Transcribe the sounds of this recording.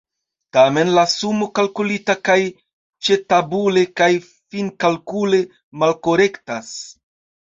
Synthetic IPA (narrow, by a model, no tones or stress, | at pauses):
tame̞nlasumokalkulitakaj | t͡ʃe̞tabulekaj | finkalkule̞ | malko̞ɾe̞ktas